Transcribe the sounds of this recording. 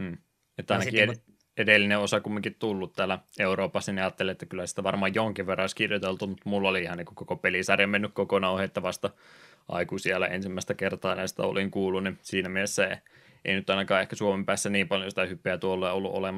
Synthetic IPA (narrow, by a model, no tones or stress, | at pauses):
et̪ːɑinɑkie | edelːineosɑkumːiŋkit̪t̪ulːut̪t̪æːlæeuroːpɑsːɑniɑːt̪ːeleet̪ːækylːˑæsi̥t̪æʋɑrmɑːjjoŋkiʋʋerːɑoiskirjot̪elt̪umut̪mulːɑoliihɑniŋkukokopelisɑrjɑmenːykkokonɑˑuheet̪ːæʋɑst̪ɑ | ʔɑ̰ikusielːˑæ̰ḛnsimːˑæˑist̪ækert̪ɑːnɑsi̥t̪æ̰o̰liŋkuːlːunnisiːnæmielesːæ | ʔḛinyt̪ɑinɑkɑːehkæsuomempæːsːæniːmpɑljosit̪æhypːˑeæt̪uolːeːolːṵʔo̰lemɑ